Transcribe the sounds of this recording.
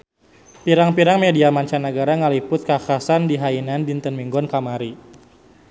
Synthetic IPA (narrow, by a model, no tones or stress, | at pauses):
piɾaŋpiɾaŋmediamaɲt͡ʃanəɡaɾaŋəlipʊt̪̚kakasandiɦainandint̪ənmiŋɡɔnkamaɾi